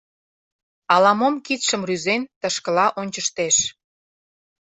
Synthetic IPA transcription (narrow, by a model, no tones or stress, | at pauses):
ɑlɑmomkit̪ʃə̆mryzent̪ə̆ʃkə̆lɑʔonʲt͡ɕəʃt̪eʃ